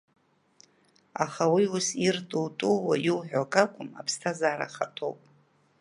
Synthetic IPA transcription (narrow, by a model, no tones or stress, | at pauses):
aχawiusirtʼultʼuwa̰jiwħʷᶣakʼakʷʼʊma̰pʰstʰazaːɾa̰χatʰʼo̰wpʼ